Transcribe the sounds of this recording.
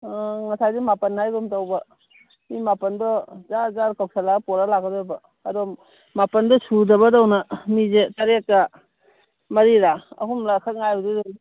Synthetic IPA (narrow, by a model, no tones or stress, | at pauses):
ŋɐsajdimapɐnhajɡumtawbɐ | mimapɐndɔzazaɾkawk̚sʰalapɔɾalakadɔbɐː | dɔ | mapɐndɔsudɐbɐdawnamizetɐɾekːa | mɐɾiɾaɐ̰ɦumlakʰat̚ŋajbɔdidɔ